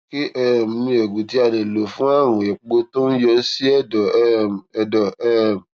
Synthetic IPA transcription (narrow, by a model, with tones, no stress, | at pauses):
ki˦ʔɛ˦˨m̩˨ĩ˧e˨ɡũ˨ti˧˦a˧dɛ˨lo˨fũ˦a˦˨ɾ̃ũ˨ɛ˨k͡po˧to˦n̩˦jɔ˧˦si˦ɛ˦˨dɔ˨ɛ˦˨ɛ˨dɔ˨ɛ˦˨m˨